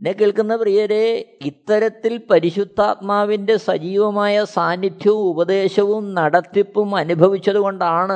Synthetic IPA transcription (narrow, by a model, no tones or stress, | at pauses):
inːekːiɭkunːɐprijɐɾe̞it̪ːɐɾɐt̪ːilpɐɾiɕud̪ʱːaːt̪̚maːʋinde̞sɐd͡ʑiːʋɐmaːjɐsaːnːid̪ʱjɐʋumubɐd̪e̞ːɕɐʋumnɐɽɐt̪ːipːumɐnubʱɐʋit͡ɕːɐðuɣo̞ɳɖaːɳɨ